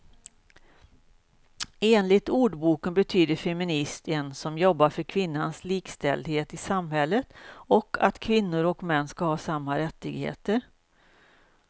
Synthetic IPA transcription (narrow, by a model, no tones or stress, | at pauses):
eːnlɪt̪uːɖbuːkənbɛt̪ʰyːd̪əɾfɛmɪnɪst̪ɛnsɔmjɔbːaɾfœɾkʰvɪnːansliːkst̪ɛ̰ld̪heːt̪ɪsamhɛlːət̪ɔkʰːa̰t̪kʰvɪnːʊɾɔkmɛnːskahɑːsamːaɾɛt̪ːɪɡhḛːt̪əɾ